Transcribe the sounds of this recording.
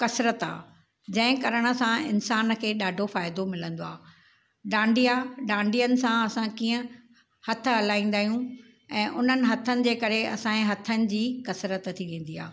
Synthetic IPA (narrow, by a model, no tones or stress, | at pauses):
kɐsɾət̪a̰ː | d͡ʑɐ̃ɦɪ̃kɐɾəɽ̃ə̆sãɪnsaːnkʰeːɗaːɖʱofaːɪd̪omɪlə̃nd̪oaː | ɖãːɳɖijaɗãːɳɖijənɪ̆sãɐsãkiːə̃ | hɐt̪ʰəɦɐlaːĩːn̆d̪aːɦijũ | ɛ̃ːʔʊn̤ənɪ̆ɦɐt̪ʰənɪ̆d͡ʑeːkɐɾeɐsãẽɦɐt̪ʰənɪ̆d͡ʑiːkɐsɾət̪t̪ʰiʋẽːn̆d̪ia̰ː